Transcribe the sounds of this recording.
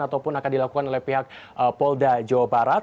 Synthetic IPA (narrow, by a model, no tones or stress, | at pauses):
at̪awpʊnakandilakukanolɛhpiɦak̚ʔəpɔldad͡ʒawabaɾat̪